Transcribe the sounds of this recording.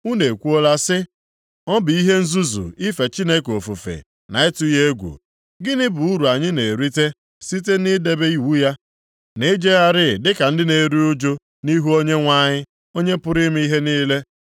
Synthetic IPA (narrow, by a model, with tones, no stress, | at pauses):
u˦ne˨kʷu˦o˦la˦sɪ˦ | ɔ˦bi˨i˦ɦe˦n̩˦zu˦zṵ˨i˦fe˨t͡ʃi˦ne˦ko˨fu˨fḛ˨ | na˨ɪ˦tʊ˦je˦ɡʷṵ˨ | ɡɪ˦nɪ˦bu˨u˦ɾu˨a˨ɲɪ˦ne˨ɾi˦te˦ | si˦te˦ni˦de˦be˦i˦wu˦ja˦ | ne˦d͡ʒe˦a˦ɾɪ˦˨dɪ˦ka˨n̩˦dɪ˦ne˨ɾi˦ʊ˦d͡ʒo˦ | ni˦ɦu˦o˦ɲe˦ŋʷa˦˨ɲɪ˦ | o˦ɲe˦pʊ˦ɾɪ˦m˦i˦ɦe˦niː˦le˦